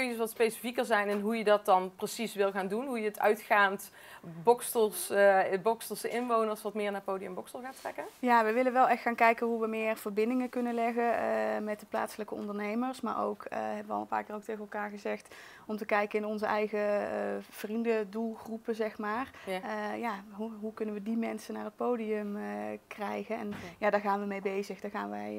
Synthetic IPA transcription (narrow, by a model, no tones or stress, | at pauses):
kɵnəəsʋɑtspejsi̥fikərzɛjnɛnɦujədɑt̚dɑnprəsisʋɪlˠɣaːndunɦujəətœ̰ɥtχaːnt | bɔkstəlsbɔkstəsɪnʋownərsʋɑtmɪːɹnaːpowliəmbɔkstəlˠxaːtrɛ̰kənjaːʋəjʋɪlənʋɛlˠɛxtxaːnkɛjkənɦuʋəmɪːrv̥əɹbɪndɪŋəkɵnənlɛɣəmɛt̚dəpla̰ːtsələkəɔ̰ndəɹnejməɹsma̰ːɹo̰wkʰɦɛbəʋəɑlˠənpaːkɪːrowk̚tejɣənɛlˠkaːɹɣəzɛxt | ɔmtəkɛjkənɪnɔnzəʔɛjɣə | v̥rindədulˠxrupəzɛxmaːrjaɦuɦukɵnənʋədimɛnsənaːrɦət̚poːdiɵmkrɛjɣənɛnjaːdaːɹɣaːnʋəmejbejzəxdaːɹɣaːnʋəj